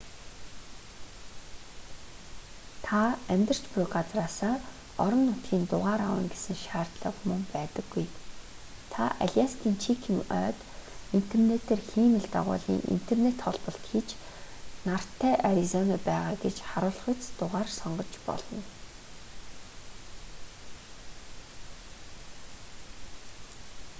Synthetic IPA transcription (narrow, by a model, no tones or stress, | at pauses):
t̪ʰaæmʲt̪ə̆r̥t͡ɕpʊkat͡sraːsaː | ɔɾɞ̆nːʊt̪ɡiːnt̪ʊʁaːɾa̰wə̆ŋɡesɘ̆ŋʃaːr̥t̪ɮə̆kmɵŋpæːt̪ə̆ɡːuj | t̪ʰa̰ʔa̰ɮʲast̪ʰiːnt͡ɕʰikʰiŋœ̰ːt̪in̥t̪ʰernet̪ʰeːrxiːmɘ̆ɮt̪a̰ʁʊ̰ːɮḭːŋʔḭn̥t̪ʰernet̪χɔɮpɞ̆ɬt̪xit͡ɕ | nar̥t̪ʰːæːʔaɾʲizɔnɔpæːʁaːɡet͡ɕχaɾʊːɮχə̆t͡st̪ʊʁaːrsɔɴɢɞ̆t͡ɕpɔ̰ɮɞ̆n